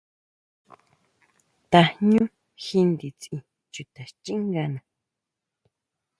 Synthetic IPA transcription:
t̪a˨ɲũ˦ | xi˧nd̪i˨t͡sĩ˧˨ | t͡ʃu˨t̪a˨ʃt͡ʃĩ˦ŋɡa˧nã˨

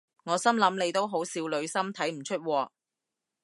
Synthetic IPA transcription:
ŋɔː˨˧sɐ˥mlɐ˨˥mle˨˧jt̪o˥wɦo˨˥wsiː˧wlɵ˨˧ɥsɐ˥mt̪ʰɐ˨˥jm̩˨˩t͡ʃʰɵ˥t̚wɔː˧

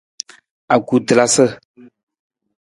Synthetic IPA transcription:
a˨ku˨tə˨la˦sə˦

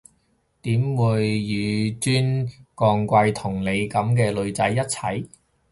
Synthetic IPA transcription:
t̪iː˨˥mwuː˨˧jːyː˨˧t͡syː˥nkɔː˧ŋkʷɐ˧jt̪ʰʊ˨˩ŋle˨˧jkɐ˨˥mkɛː˧lɵ˨˧ɥt͡sɐ˨˥jːɐ˥t̚t͡sʰɐ̰˨˥j

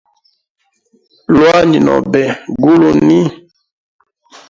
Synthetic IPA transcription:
lwa˦ɲi˨nɔ̰˨bɛ˨ɡu˦lu˨ni˦

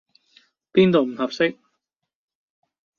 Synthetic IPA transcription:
piː˥nt̪o˨wm̩˨˩hɐ˨p̚sɪ˥k̚

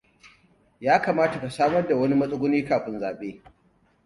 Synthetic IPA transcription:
jaː˦kaː˨maː˦ta˨ka˨saː˦mɐ˦rda˨wɐ˦ni˦mɐ˦sʼʊ˦ɡʷʊ˦niː˦kaː˨ɸɪ˦nzaː˨ɓeː˦

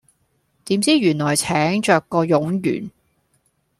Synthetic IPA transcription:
t̪iː˨˥mt͡siː˥jyː˨˩nlɔː˨˩jt͡sʰɛː˨˥ŋt͡ʃœː˨kːɔː˧jʊ˨˥ŋjy̰ː˨˩n

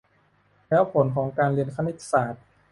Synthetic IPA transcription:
lɛː˦˥wpʰo˩˦nkʰɔː˩˦ŋkaː˧nli˧ənkʰa˧˥ni˧˩t̪ːsaː˨˩t̪̚

